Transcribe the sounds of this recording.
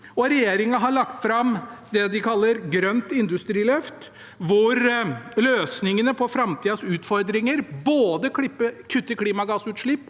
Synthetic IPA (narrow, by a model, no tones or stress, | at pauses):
ɔɾɛjeːɾɪŋɑɦɑɭɑkt̪fɾɑmd̪ɛd̪ɪkʰɑlːəɾɡɾœnt̪ɪnd̪ʉst̪ɾiːlœft̪ | ʋʊɾløːsnɪŋənəpʰɔfɾɑmt̪ʰiːɑsʉːt̪fɔɾd̪ɾɪŋəɾboːd̪əkɪpːəkʰʉt̪ːəkʰliːmɑɡɑsʉːt̪ʂɭɪpː